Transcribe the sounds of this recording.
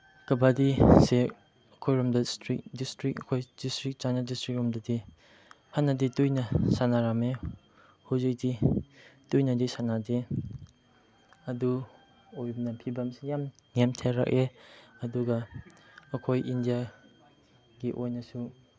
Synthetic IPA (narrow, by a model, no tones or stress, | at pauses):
kɐbadise | ɐkʰojɾɐmdɐstɾik̚distɾik̚ɐkʰojdistɾik̚t͡ʃanadistɾik̚ɾɔmdɐdi | hanːɐditujnɐsanaɾame | huzik̚di | tujnɐdisanade | ɐdu | ojnɐpʰibɐmsejam | nemtʰeɾɐ̰k̚eɐduɡɐː | kʰojʔindija | ɡiʔojnɐsu